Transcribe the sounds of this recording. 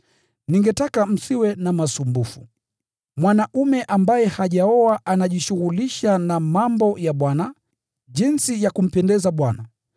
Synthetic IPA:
niŋɡɛtakam̩siwɛnamasumbufṵ | mwanaʔumɛʔambajɛhaʄaɔaʔanaʄiʃuɣuliʃanamambɔjaɓwana | ʄinsijakum̩pɛndɛzaɓwana

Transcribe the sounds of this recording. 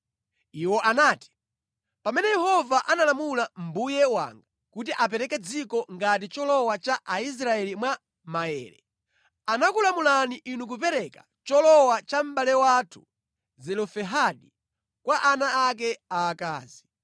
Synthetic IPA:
iwɔʔanaːti̥ | pamɛnɛjɛhɔvaʔanalamulam̩bujɛwa̰ŋɡa | kut̬iʔap̬ɛɾɛkɛd͡zikɔŋɡat̬it͡ʃɔlɔwat͡ʃaʔais̬ɾaɛlimwa | maɛ̰ːlɛ̰ | anakulamulaniʔinuk̬upɛɾɛka̰ | t͡ʃɔlɔwat͡ʃam̩balɛwatʰu̥ | zɛlɔfɛɦaɗi | kwaʔanaak̬ɛaːka̰ːzi

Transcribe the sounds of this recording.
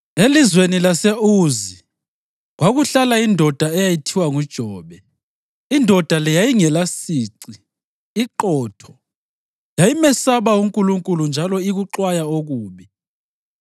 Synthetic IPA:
elizwenilaseuːzi | ɣwaɣuɬalaindʱɔd̥ʱaɛjajitʰiwaŋud̥ʒ̥ʱɔːβɛ | indʱɔd̥ʱalɛjajiŋɛlasiːǀiː | ǃɔːtʰɔ̥ | jajimɛsaβauŋkʼuluŋkʼulund͡ʒʱalɔiɣuǃwajaoɣuːβi

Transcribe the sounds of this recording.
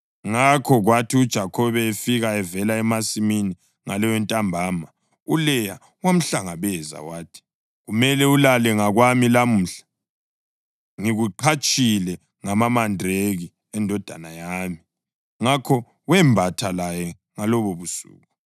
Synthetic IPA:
ŋakʰɔɣwatʰiud̥ʒ̥ʱakʰɔβɛefiɣaɛvɛlaɛmasimini | ŋalɔjɛntʼambʱaːma | ulɛja | wam̩ɬaŋaβɛza̰waːtʰi̥ | ɣumɛlɛulalɛŋaɣwamilam̩ːɬḁ | ŋiɣuǃʰat͡ʃʼilɛ | ŋamamandʱreɣi | ɛndʱɔd̥ʱa̰najaːmi | ŋakʰɔ | ɣwɛmbʱatʰalajɛ | ŋalɔβoβusṵːɣu

